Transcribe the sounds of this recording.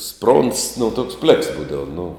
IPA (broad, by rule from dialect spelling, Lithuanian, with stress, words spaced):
sproːnts nʊ toːks pʲlʲɛks ˈbuːdɐʋɐ nʊ